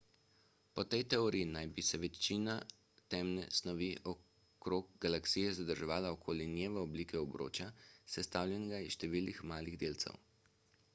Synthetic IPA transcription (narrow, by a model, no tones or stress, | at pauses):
pɔt̪ɛjt̪ɛɔɾiinajbisɛʋɛt͡ʃiːna | t̪ɛmnɛ̰snɔʋiʔɔ | kɾoːɡ̚ɡalaksiːjɛzad̪əɾʒɛʋaːlaɔkʰoːlinjeːʋɛɔbliːkɛɔbɾo̰ːt͡ʃjasɛst̪awlʲjɛnɛɡaisʃt̪ɛʋiːlnixmaːliɣd̪eːlt̪sɛ̰w